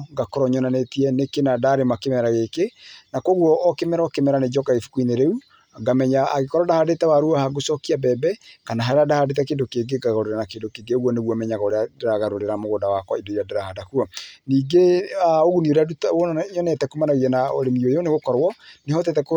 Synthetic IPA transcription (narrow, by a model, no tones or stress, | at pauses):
ŋɡakɔɾɔɲɔnanetiɛnekenadaɾemakemɛɾaɣekenakɔɣwɔʔːkemɛɾɔkemɛɾaned͡ʒɔkaefu̥kuineɾeu | ŋɡamɛɲaa̰ɣekɔɾɔdahadetɛwaɾuahaɡosɔkiabɛbɛkanaɦaɾeadahadetɛkeːndokeɡeɡaɣoɾeɾanakendokeɡeoɣwɔneɣwɔmɛɲaɣaoɾeadɾaɣaɾoɾeɾamoɣoːdawakwɔidoiɾadeɾahadakuɔniːɡeaoɣunioɾadutːɲɔnɛtɛkomanaɣiɛnao̰ɾemiojoneɣokɔɾwɔnehɔt̬ɛtɛko